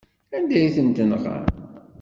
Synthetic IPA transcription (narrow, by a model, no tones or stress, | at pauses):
ænd̪æjiθənt̪ənʁə̰